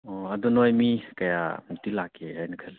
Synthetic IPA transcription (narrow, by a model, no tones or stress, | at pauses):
ɔɐdɔnojmikɐja̰mutilakʰeajnɐkʰali